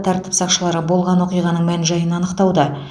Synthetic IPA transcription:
t̪ʰɑɾt̪əpsɑqʃəlˠɑɾəbo̞lˠʁɑnwo̞qijʁɑnəɴmænʒɑjənɑnəqt̪ɑwd̪ə

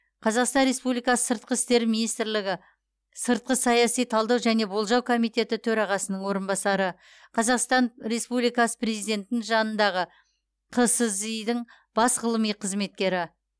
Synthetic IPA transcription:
qʰɑzɑqst̪ɑnɾe̞spublijkɑsə̥səɾt̪̚qəɪst̪e̞ɾminijst̪ɾlɪɡʲɪ | səɾt̪̚qəsɑjɑsijt̪ʰɑlˠd̪ɑwʒæne̞bo̞lˠʒɑwkʰo̞mijt̪ʲe̞t̪ɪt̪ʰɵɾɑʁɑsənəɴwo̞ɾənbɑsɑɾə | qʰɑzɑqst̪ɑnɾe̞spublijkɑsə̥pɾe̞zijd̪e̞nt̪ɪnɪŋʒɑnənd̪ɑʁə | qʰəsəzijd̪ɪɴ | b̥ɑsʁəlˠəmijqʰəzme̞t̪̚kʲe̞ɾɪ

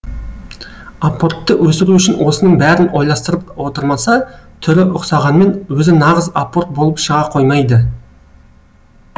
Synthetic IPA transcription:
apːo̞rt̪ːəwɵsɪɾuʏʃɪnwo̞sənəɴbæɾɪno̞jlˠɑst̪əɾəp̚wo̞t̪əɾmɑsɑt̪ʰʏɾɪʔʊqsɑʁɑnme̞nwɵzɪnɑʁəzapːo̞rt̪̚bo̞lˠəpʃəʁɑqʰo̞jmɑjd̪ə

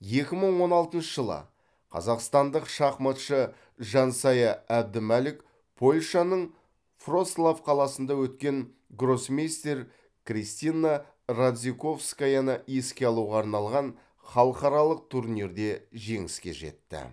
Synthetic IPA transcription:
je̞kʲɪməɴwo̞nɑlˠt̪ənʃəʒəlˠə̰ | qʰɑ̰zɑqst̪ɑnd̪əqʃɑχmɑt̪ʃə | ʒɑnsɑjɑæb̚d̪ɪmælɪk | pʰo̞lʲʃɑnəɴ | fro̞slˠafqʰɑlˠɑsənd̪ɑwɵt̪kʲe̞ŋ | ɡro̞smʲist̪eɾ | krist̪ina | rad̪zʲiko̞fskajɑnəje̞skʲe̞ɑlˠuʁɑːɾnɑlˠʁɑn | χɑlˠəqɑɾɑlˠəq̚t̪ʰuɾnʲiɾd̪e̞ʒe̞ŋɪskʲe̞̰ʒe̞̰t̪ːɪ̰

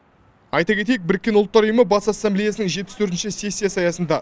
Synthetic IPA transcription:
ɑjt̪ɑkʲʰe̞t̪e̞jek̚bɪɾɪkʲːe̞nʊlˠt̪ːɑɾujəməbɑsasːɑmblʲejasənəŋʒet̪pɪ̥st̪ʰɵɾt̪nʃɪsesʲːijasɑjɑsənd̪ɑ

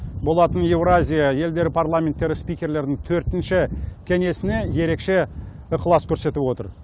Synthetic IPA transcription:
bo̞lˠɑt̪əne̞vɾazʲijaje̞ld̪e̞ɾɪpʰarlˠamʲent̪ːe̞ɾɪspijkʲe̞ɾle̞ɾd̪ɪŋt̪ʰɵɾt̪ɪnʃɪkʲʰe̞ŋe̞sɪne̞je̞ɾe̞kʃe̞ | əqʰəlˠɑskʲʰɵɾse̞t̪ɪpwo̞t̪ə̰ɾ

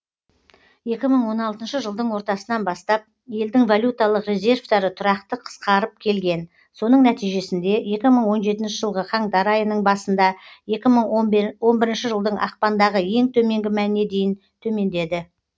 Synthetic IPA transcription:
je̞kʲɪməɴwo̞nɑlˠt̪ənʃəʒəlˠd̪əɴwo̞ɾt̪ɑsənɑnbɑst̪ɑp̚ | je̞ld̪ɪŋvolʲjut̪ɑlˠəqrʲe̞zʲe̞rvd̪ɑɾət̪ʰʊɾɑqt̪əqʰə̥sqʰɑɾəp̚kʲʰe̞lɡʲe̞n | so̞nəɴnæt̪ijʒe̞sɪnd̪e̞je̞kʲɪməɴwo̞nʒe̞t̪̬ɪnʃɪʒəlˠʁəχʰɑɴd̪ɑɾɑjənəɴbɑsənd̪ɑje̞kʲɪməɴwo̞nbɪɾɪnʃɪʒəlˠd̪əɴɑ̰qpɑnd̪ɑʁəje̞ŋt̪ʰɵme̞ŋɡʲɪmænne̞d̪e̞jɪn | t̪ʰɵme̞nd̪e̞d̪ɪ

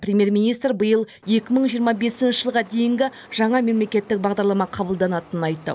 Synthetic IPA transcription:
prʲemʲje̞ɾmʲijnijst̪ɾbəjəlˠ | je̞kʲɪməɴʒijəɾmɑbe̞sɪnʃɪʒəlˠʁɑd̪e̞jɪŋɡʲɪ | ʒ̥ɑɴɑme̞mle̞kʲe̞t̪ːɪk̚bɑʁd̪ɑɾlˠɑmɑqʰɑbəlˠd̪ɑnɑt̪ənənɑjt̪ːə̰

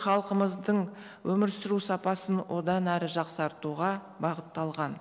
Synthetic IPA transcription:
χɑlˠqəməzd̪əɴ | wʔɵmɪɾsɪɾusɑpɑsənwo̞d̪ɑnæɾɪʒɑqsɑɾt̪uʁɑ | bɑʁət̪ːɑlˠʁɑn

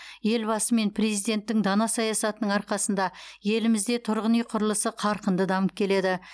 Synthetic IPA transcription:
je̞lbɑsəme̞npʰrezijd̪e̞nt̪ːɪŋd̪ɑnɑsɑjɑsɑt̪ənəɴɑɾqɑsənd̪ɑje̞lɪmɪzd̪e̞t̪ʰʊɾʁənijqʰʊɾəlˠəsəqʰɑɾqənd̪əd̪ɑməp̚kʲʰe̞le̞d̪ɪ

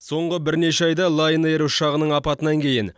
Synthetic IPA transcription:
so̞ɴʁəbɪɾne̞ʃeɑjd̪ɑlˠɑjnəeɾuʃɑʁənəɴɑpɑt̪ənɑŋkʲʰe̞jɪn

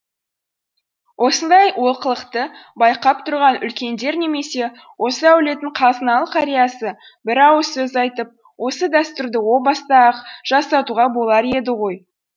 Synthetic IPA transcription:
wʔo̞sənd̪ɑjwo̞lˠqəlˠəqt̪əbɑjqɑp̚t̪ʰʊɾʁɑnʔʏ̰lkʲe̞nd̪e̞ɾne̞me̞se̞ | wo̞səæwle̞t̪ɪɴqʰɑzənɑlˠəqʰɑɾijɑsə | bɪɾɑwəsɵzɑjt̪əp̚ | wʔo̞səd̪æst̪ʊɾd̪əwo̞bɑst̪ɑqʒ̥ɑsɑt̪uʁɑbo̞lˠɑɾe̞d̪ɪʁo̞j

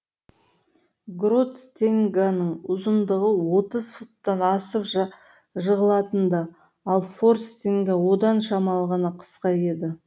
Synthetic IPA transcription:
ɡɾot̪t̪ʰeŋɡanəɴʊzənd̪əʁəwo̞t̪əzfut̪ːɑnɑsəp | ʒəʁəlˠɑt̪ənd̪ɑ | ɑlˠfo̞rst̪eŋɡawo̞d̪ɑnʃɑmɑlˠʁɑnɑqʰə̥sqɑje̞d̪ɪ

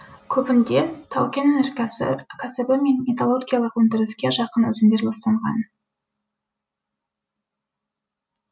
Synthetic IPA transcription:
kʲʰɵpɪnd̪e̞t̪ʰɑwkʲennɪrkʲʰæsɪbɪme̞nmet̪olˠo̞rɡʲijalˠəqwɵnd̪ɪɾɪskʲe̞ʒɑqənɵzɪnd̪e̞ɾlɑst̪ɑɴʁɑ̰n

